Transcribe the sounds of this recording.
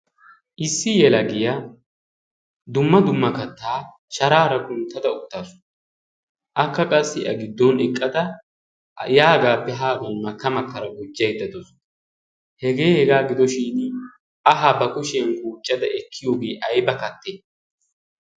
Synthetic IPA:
ʔɪsːɪjɛlɐɡɪja | d̪ʊmːɐd̪ʊmːɐkɐt̪ːaː | ʃɐɾaːɾɐɡʊnt̪ːɐd̪ɐʊt̪ːaːsʊ̥n | ʔɐkːɐkʼɐsːɪʔɐɡɪd̪ːɔnɛkʼːɐd̪ɐ | jaːɡaːpːɛɦaːɡɐnmɐkːɐmɐkːɐɾɐɡʊd͡ʒːɐjd̪ːɐd̪ɔsɔ̥nɐ | hɛɡe̞ːhɛɡaːɡɪd̪ɔʃiːn | ʔɐɦaːbɐkʊʃɛnkʼuːt͡ʃʼːɐd̪ɐʔɛkʰːɪjoːɡeːʔɐjbɐkɐt̪ːe

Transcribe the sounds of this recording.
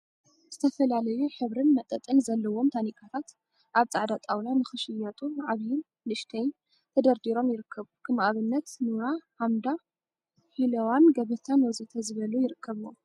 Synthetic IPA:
z̥ɨt̪ʰɐfɐlalɐjuħɨβɾɨnmɐt̪ʼɐt̪ʼɨnzɐlːɐwo̞mt̪ʰanikʼʰat̪ʰat̪ | ʔaβt͡sʼaʕd̪at̪ʼawlanɨxɨʃɨjɐt̪ʼuʕaβjɪn | lɨʃt̪ʰɐjn | t̪ʰɐd̪ɐɾd̪iɾo̞mjɪɾɨkːɐβukʰɨmʔaβɨnːɐt̪nuɾahamd̪a | ħilɐwanɡɐβɐt̪ʰanwɔzɨt̪ʰɐzɨβɐlujɪɾɨkʰːɐβɨwo̰m

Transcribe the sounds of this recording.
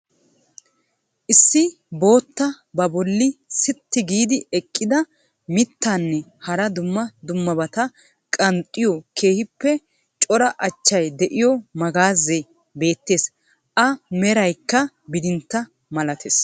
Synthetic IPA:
ʔɪsːɪ | bo̞ːt̪ːɐ | bɐbɔlːɪsɪt̪ːɪɡiːd̪ɪɛkʼːɪd̪ɐ | mɪt̪ːaːnːɛhɐɾɐd̪ʊmːɐd̪ʊmːɐbɐt̪ɐ | kʼɐnt̪ʼːɪjɔkʰe̞ːhɪpːɛ | t͡ʃʼɔɾɐʔɐt͡ʃːɐjd̪ɛʔɪjɔmɐɡaːzːɛ | be̞ːt̪ːe̞ːs | ʔɐmɛɾɐjkːɐ | bɪd̪ɪnt̪ːɐ | mɐlɐt̪ʰeːs

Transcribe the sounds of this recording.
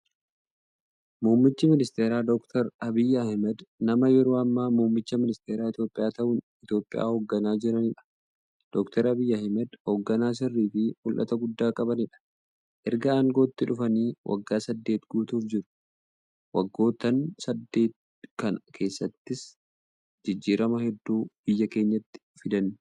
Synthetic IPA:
muːmːɪt͡ʃːɪmɪnɪst̪e̞ːɾaːd̪ɔkt̪ʰɐɾɐbɪjːɐhmɛd̪nɐmɐjɛɾoːɐmːaːmuːmːɪt͡ʃːɐmɪnɪst̪eːɾaːɪt̪jo̞ːpʼːɪjaːt̪ɐʔʊn | ɪt̪jo̞ːpʼːɪja̰ːhoɡːɐnaːd͡ʒɪɾɐnɪᶑɐ̥ | d̪̥ɔkt̪ʰɐɾɐbɪjːɐɐhɪmɛd̪hoɡːɐnaːs̬ɪrːiːfɪmʊlʔɐ̰t̪ɐɡʊd̪ːaːkʼɐbɐnɪᶑɐ̥ | ʔɛɾɡɐaːŋɡo̞ːt̪ːɪᶑʊfɐniːwʔɐ̰ɡːaːsɐd̪ːe̞ːt̪ɡuːt̪uːfd͡ʒɪɾʊ̥ | wɐɡːo̞ːt̪ːɐnsɐd̪ːe̞ːt̪̚ | kɐnɐkʰe̞ːsːɐt̪ːɪs | d͡ʒɪd͡ʒːiːɾɐmɐhɛd̪ːuːb̥ɪjːɐke̞ːɲːɐt̪ːɪ̥fɪd̪ɐn

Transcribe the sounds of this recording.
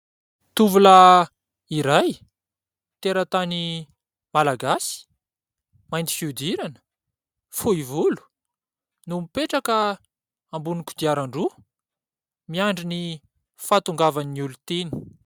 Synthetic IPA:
t̪uvula | iɾaj | t̪eɾət̪ani | malaɡasi̥ | majnt̪i̥fiud̪iɾanə̥ | fuivulu̥ | numipeʈ͡ʂakə | ambuniku̥d̪iaɾaɳɖ͡ʐu | miaɳɖ͡ʐini | fat̪uŋɡavaniulut̪enu̥

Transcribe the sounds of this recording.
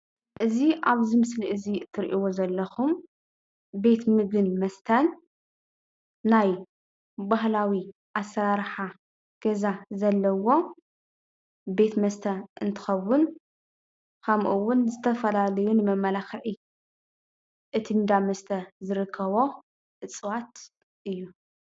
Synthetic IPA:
ʔɨziʔaβzimɨsliʔɨziɨt̪ʰːɨɾʔiwozɐlːɐxum | be̞t̪mɨɡɨnmɐst̪ʰɐn | aj | baɦlawiʔasːɐɾaɾħa | ɡ̥ɐzazɐlːɐwo̞ | be̞t̪mɐst̪ʰɐʔɨnt̪ʰɨ̥xɐwːʊn | kʰɐmʔuwːʊnzɨt̪ʰɐfɐlalɐjunɨmɐmːɐlaxʕi | ʔɨt̪ʰind̪amɐst̪ʰɐzɨɾɨkʰːɐβo̞ | ʔɨt͡sʼwat̪ | ʔɨjːu

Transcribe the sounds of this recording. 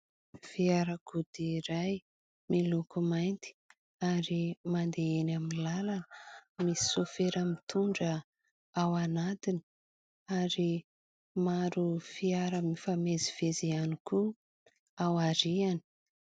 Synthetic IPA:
fiaɾəkud̪iɾaj | milukumajnt̪i̥ | aɾimand̪eenaminlalanə̥misi̥sofeɾamit̪uɳɖ͡ʐə | awanat̪ini̥ | aɾi | maɾufiaɾəmifameziv̥ezianiku | awaɾiani̥

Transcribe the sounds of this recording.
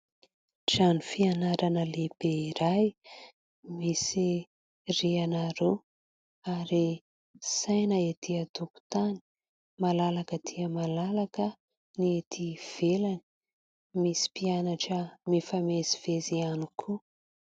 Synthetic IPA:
ʈ͡ʂanifianaɾanəleb̥eiɾaj | misi | rianaɾu | aɾi | sajnəet̪ʰiat̪uku̥t̪ani̥ | malalakət̪ʰiəmalalakə | niet̪ʰiv̥elani̥ | misi̥pianaʈ͡ʂəmifameziv̥ezianikʰu

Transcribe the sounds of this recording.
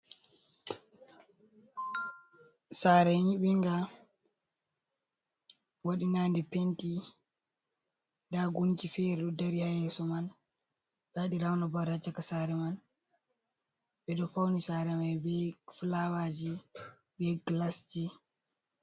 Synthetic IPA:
saːɾɛɲiɓiŋɡa | waɗinaːndɛpenti | daɡuɲkifɛɾɛɗɔdaɾihajɛsɔman | ɓɛaɗiɾawnabaɾat͡ʃːakasaɾɛman | ɓɛɗɔfawnisaːɾɛmajbɛflawad͡ʒi | bɛɡlasti

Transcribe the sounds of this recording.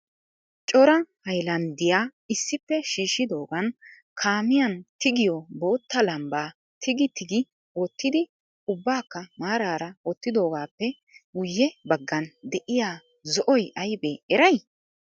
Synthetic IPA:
t͡ʃʼɔɾɐhɐjlɐnd̪ɪjaːɪsːɪpːɛʃiːʃːɪd̪o̞ːɡɐn | kʰaːmɪjɐnt̪ɪɡɪjɔbo̞ːt̪ːɐlɐmbaː | t̪ɪɡɪt̪ɪɡɪ | ɔt̪ːɪd̪ɪ | ʊbːaːkːɐmaːɾaːɾɐɔt̪ːɪd̪o̞ːɡaːpːɛ | wʊjːɛbɐɡːɐnd̪ɛʔɪjaː | zɔʔɔjʔɐjbɛɛɾɐj

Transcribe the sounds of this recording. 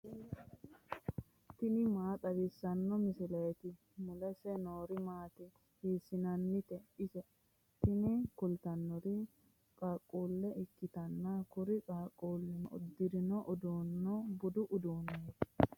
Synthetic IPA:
t̪ɪnɪmaːt̪ɐbɪsːɐnːɔmɪsɪlɛːt̪ɪ | mʊlɐsɛnoːɾɪmaːt̪ɪ | hiːsɪnɐnːɪt̪ɛɪsɛ | t̪ɪnɪkʊlt̪ɐnːɔɾi | kʼaːkʼːuːlːɛʔɪkːɪt̪ɐnːakʊɾɪkʼaːkʼːuːlːɪnɔʊ̰d̪ːɪɾɪnɔʔʊd̪uːnːɔbʊd̪ʊʔʊd̪uːneːt̪ɪ̥

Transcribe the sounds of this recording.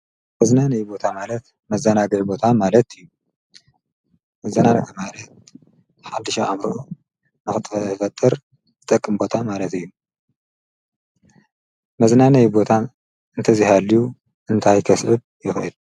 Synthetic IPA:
mɐznanɐjbo̞t̪ʰamalɐt̪ | mɐzːɐnaɡɐjbo̞t̪ʰamalɐt̪ɨjːu | mɐzːɐnanɐɡɐmalɐt̪̚ | ħad̪ːɨʃɐʔa̰mɾoʔo | nɨxɨt̪ʰʼfɐt̪ʼːɨɾ | zɨt̪ʼɐkʼːɨmbo̞t̪ʰamalɐt̪ɨjːu | mɐznanɐjbo̞t̪ʰa | ɨnt̪ʰɐzihaliju | ʔɨnt̪ʰajk̪ʰɐsʕɨβ | jɪxʔɨl

